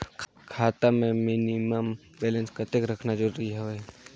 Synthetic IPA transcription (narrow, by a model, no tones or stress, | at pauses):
kʰaːt̪amẽmɪniməm | bɛːlənskat̪ekɾɐkʰnad͡ʒoːɾɐɦiɦɛoɦɛ